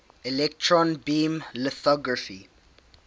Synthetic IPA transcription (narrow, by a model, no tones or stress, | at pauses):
ɛlɛk̚tʰɹɔ̃nbĩːmləθɔɡɹafi